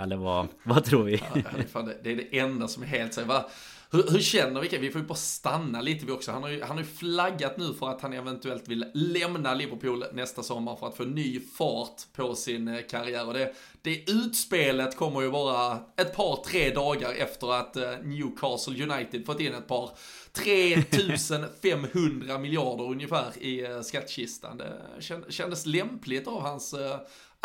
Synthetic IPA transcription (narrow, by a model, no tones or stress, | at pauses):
ɛlːəvavat̪ʰɾuːɾvɪfald̪ɛd̪ɛːɖɛʔɛnd̪asɔmæɾɦeːlt̪sɛva | hɵɾhɵɾʂɛnːəɾvɪkavɪfoːjʏbɑːɾast̪anːaliːt̪əvɪɔksɔhanhaɾjɵhanhaɾjɵflaɡːat̪nʉ̟ːfœɾat̪hanɛvɛnt̪ɵɛlt̪vɪllɛmnalɪvəɾpʰuːlnɛst̪asɔmːaɾfœɾat̪foːnyːfɑːt̪pʰɔsɪnkʰaɾɪjæːɾɔd̪ɛ | d̪̥ɛʉ̟ːt̪speːlət̪kʰɔmːəɾjɵbɑːɾaɛt̪̚pʰɑːɾt̪ʰɾeːd̪ɑːɡaɾɛ̰ft̪əɾat̪njʉːkʰɑːsəljɵnajt̪ɪd̪fɔt̪ːɪnːɛt̪̚pʰɑːɾ | t̪ʰɾeːt̪ʰʉ̟ːsənfɛmːhɵnd̪ɾamɪlɪɑɖəɾɵnjəfæːɾɪskat̪ːɕɪst̪a̰nd̪ɛ̰ɛɕɛnd̪əslɛmplɪɡt̪avhans